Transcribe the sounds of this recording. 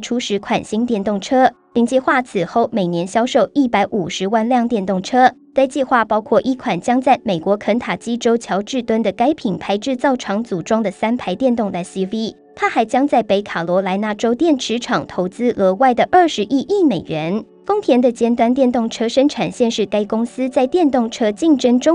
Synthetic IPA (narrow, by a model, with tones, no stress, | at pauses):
ʈ͡ʂʰu˧˥ʂɻ̩˧˥kʰwa˨˩nɕi˥ŋt̪jɛ˥˧nt̪ʊ˥˩ŋʈ͡ʂʰɤ˥li˥ŋt͡ɕɛ˥˧xwa˥˩t͡sʰɹ̩˨˩xo˥˩ʊme˨˩ɪnjɛ˧˥nɕjɑ˥ʊʂo˥˧ʊi˥˩pa˧˥ɪʔu˨˩ʂɻ̩˧˥wa˥˧nljɑ˥˧ŋt̪jɛ˥˧nt̪ʊ˥˩ŋʈ͡ʂʰɤ˥ | t̪a˥˧ɪt͡ɕi˥˧xwa˥˩pɑ˥ʊkʰwɔ˥˧ʔi˥˩kʰwa˨˩nt͡ɕjɑ˥ŋt͡sa˥˩ɪme˨˩ɪkwɔ˧˥kʰə˧˥nt̪ʰa˨˩t͡ɕi˥ʈ͡ʂo˥ʊt͡ɕʰjɑ˧˥ʊʈ͡ʂɻ̩˥˩t̪wə˥nd̪ə˨ka˥ɪpʰi˨˩ŋpʰa˧˥ɪʈ͡ʂɻ̩˥˧t͡sɑ˥˩ʊʈ͡ʂʰɑ˧˥ŋt͡su˨˩ʈ͡ʂwɑ˥ŋd̪ə˨sa˥npʰa˧˥ɪt̪jɛ˥˧nt̪ʊ˥˧ŋt̪a˧˩si˥vi˥ | t̪ʰa˥xa˧˥ɪt͡ɕjɑ˥ŋt͡sa˥˩ɪpe˧˩ɪkʰa˨˩lwɔ˧˥la˧˥ɪna˥˩ʈ͡ʂo˥ʊt̪jɛ˥˩nʈ͡ʂʰɻ̩˧˥ʈ͡ʂʰɑ˨˩ŋt̪ʰo˧˥ʊt͡sɹ̩˥ʔɤ˧˥wa˥˩ɪd̪ə˩ʔə˞˥˩ʂɻ̩˧˥ʔi˥˧ʔi˥˩me˨˩ɪɥɛ˧˥n | fʊ˥ŋt̪ʰjɛ˧˥nd̪ə˨t͡ɕjɛ˥nt̪wa˥nt̪jɛ˥˧nt̪ʊ˥˩ŋʈ͡ʂʰɤ˥ʂə˥ŋʈ͡ʂʰa˨˩nɕjɛ˥˧nʂɻ̩˥˩ka˥ɪkʊ˥ŋsɹ̩˥t͡sa˥˧ɪt̪jɛ˥˧nt̪ʊ˥˩ŋʈ͡ʂʰɤ˥t͡ɕi˥˧ŋʈ͡ʂə˥ŋʈ͡ʂʊ˥ŋ